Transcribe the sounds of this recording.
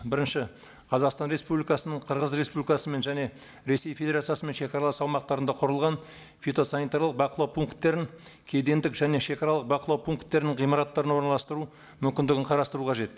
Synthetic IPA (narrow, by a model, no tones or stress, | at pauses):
bɪɾɪnʃɪ | qʰɑzɑqst̪ɑnɾe̞spublʲijkɑsənəɴqʰəɾʁəzɾe̞spublʲikɑsəme̞nʒæne̞ | ɾe̞se̞jfʲe̞d̪ʲeɾat̪sɨjaɑsəme̞nʃe̞kɑɾɑlˠɑsɑwmɑq̚t̪ɑɾənd̪ɑqʰʊɾəlˠʁɑn | fʲet̪o̞sɑnit̪ɑɾlˠəq̚bɑqəlˠɑwpʰuŋkt̪ːe̞ɾɪŋ | kʲʰed̪e̞nd̪ɪkʒæne̞ʃe̞kɑɾɑlˠəq̚bɑqəlˠɑwpʰuŋkt̪ːe̞ɾɪnɪɴʁijmɑɾɑt̪ːɑɾənwo̞nɑlˠɑst̪əɾu | mʏmkʲɪnd̪ɪɡʲɪɴqʰɑɾɑst̪əɾuqʰɑʒe̞t̪̚